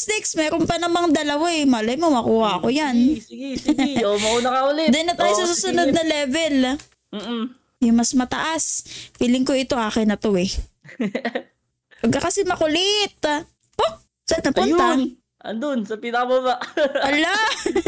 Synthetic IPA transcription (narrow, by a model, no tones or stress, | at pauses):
st̪ɛksmɛːɾonpɐnɐmɐŋd̪ɐlɐwaɛmɐlɐjmomɐkuːhɐʔɐkojanɡomɐʔonɐkɐʔʊlɪd̪ɛnːɐt̪aːjosɐsuːsʊnod̪̚nɐlɛːvɛl̩ | jʊŋmɐsmɐt̪ɐʔaspiːlɪŋkoɪt̪o̞ʔaːkɪnːɐt̪owɛ | pɐɡ̚kːɐkɐsɛmɐkʊlɪt̪̚ | poʔ | sɐt̪nɐpʊna | ʔɐ̰nd̪onsɐpiːnɐkɐbabaʔɐla